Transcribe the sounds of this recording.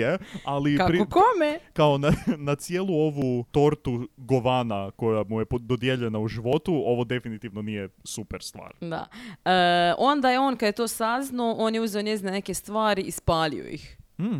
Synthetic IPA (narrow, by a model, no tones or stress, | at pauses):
ealikapɾkomekao̞nanat̪sijelˠuo̞ʋut̪o̞ɾt̪uɡo̞ʋaːnako̞jamujepd̪od̪je̞ʎe̞nauʒiʋo̞t̪uo̞ʋo̞d̪e̞finit̪iʋno̞nijesupeɾst̪ʋa̰ːɾd̪a̰əʔo̞nd̪ajeo̞ːnkad̪jet̪o̞ːsaznaoʔo̞ːnjeuzeo̞ɲjeznene̞kest̪ʋaːɾiispaːlḭo̰ḭxm̩